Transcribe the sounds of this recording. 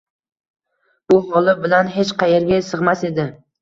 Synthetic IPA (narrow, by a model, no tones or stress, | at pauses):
b̥ʊɦɒlˠɪbɪlanɦet͡ʃqʰɑjeɾɡʲasɨʁmase̞d̪ɪ